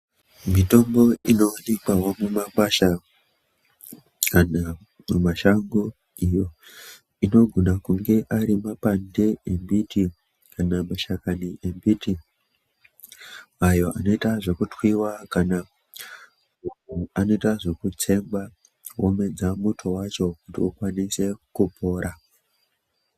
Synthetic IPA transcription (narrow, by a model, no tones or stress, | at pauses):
mito̞mbo̞ino̞ːnekwawo̞mumakwaʃa | kana | mumaʃaŋɡu | ijo̞ | ino̞ɡʱonakuŋɡe̞ʔaɾimapandeembiti | kanamaʃakaniʔembiti | ajo̞ʔa̰no̞itaʐe̞kutwiwakana | uuano̞itaʐe̞kut͡se̞mba | wome̞d͡zamutʰo̞wat͡ʃo̞kutḭukwanise̞kupo̞ːɾʔa